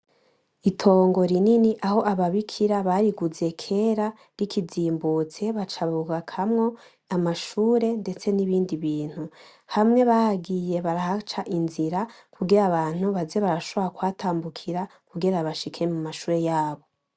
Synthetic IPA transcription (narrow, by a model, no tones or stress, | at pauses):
itʰo̞ːŋɡo̞ɾininiʔaho̞ʔaβaβikʰiɾaβaɾiɡuze̞kʰe̞ːɾa | ɾikʰiziːmbuːt͡se̞βat͡ʃaβuɡakʰamŋo̞ | amaʃuːɾe̞nde̞t͡se̞niβiːndiβiːn̥hu | hamŋe̞βahaɡije̞βaɾahat͡ʃaʔinziɾa | kuɡiɾaβaːn̥huβazeβaɾaʃo̞βoɾakwaːtʰaːmbukʰiɾa | kuɡeɾaβaʃikʰe̞mumaʃuːɾe̞jaːβo̞